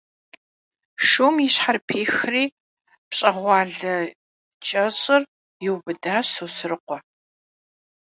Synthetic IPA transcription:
ʃumjɪɕħarpʰeːxriː | pɕʼɐʁʷɑːɮɐ | t͡ʃʼɐɕʼɪr | jɪwbɨdaːɕoːsɨrɨqʷɔ

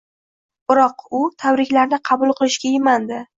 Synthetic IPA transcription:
b̥ɪɾɒqʊt̪ʰabɾɪkʲlaɾnɪqʰɑbʊlˠqʰɨlˠɪʃɡʲajɪmand̪ɪ

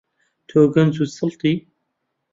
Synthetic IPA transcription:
t̪ʰoːɡɐnzusɨlt̪ˤi

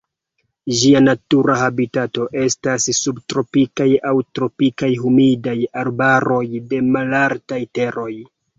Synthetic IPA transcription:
d͡ʒianatuɾahabitato̞ʔe̞stasːubtɾo̞pikajawtɾo̞pikajɦumidajaɾbaɾo̞jde̞malaɾtajte̞ɾo̞j

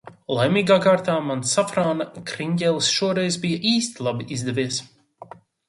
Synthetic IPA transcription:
lˠajmʲiːɡaːkaːɾt̪aːmansafɾaːnakɾiɲɟʲɛlˠsʃuɔɾɛjzbijɐʔiːst̪ilˠabiʔizd̪ɛvʲiɛs

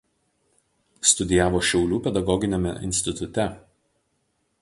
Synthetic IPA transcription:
st̪ʊd̪ʲɪjæːʋoːʃʲɛʊlʲuːpʲɛd̪ɐɡɔɡʲɪnʲemʲɛ̰ʔɪ̰nʲsʲt̪ʲɪt̪ʊt̪ʲɛ

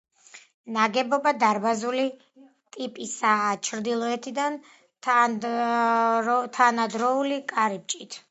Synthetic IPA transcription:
naɡɛbɔbad̪aɾbazuli | t̪ʼipʼisaːt͡ʃʰɾd̪ilˠɔɛt̪ʰid̪an | t̪ʰanad̪ɾɔulikʼaɾip̚t͡ʃʼit̪ʰ

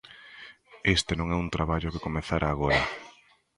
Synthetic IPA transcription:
est̪enõŋɛunt̪ɾaβaʎokekomeθaɾʔaːɣoɾa

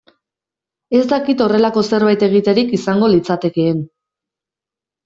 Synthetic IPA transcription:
e̞st̪akit̪o̞re̞lako̞se̞ɾβajt̪e̞ɣ̞it̪e̞ɾikisaŋɡo̞lit͡sat̪e̞ke̞ːn

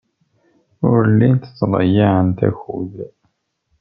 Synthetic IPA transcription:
ʊɾəlːint̪t͡sːlˤə̰jaʕənt̪æ̰çuð

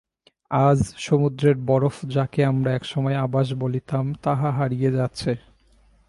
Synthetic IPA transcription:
ad͡ʑʃomud̪ɾeɾbɔɾofd͡ʑakeamɾaɛkʃɔmɔeabaʃ̬bolit̪amt̪aɦaɦaɾijed͡ʑatːɕʰe

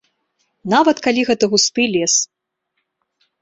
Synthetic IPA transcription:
navɐt̪kalʲiɣɛt̪ɨɣust̪ɨlʲɛs

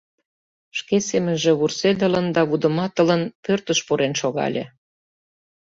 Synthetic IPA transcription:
ʃkesemənʒĕβursed̪ələnd̪ɑβud̪ə̆mɑt̪ə̆lənpørt̪əʃpuɾenʃoɣɑ̰lʲḛ̆

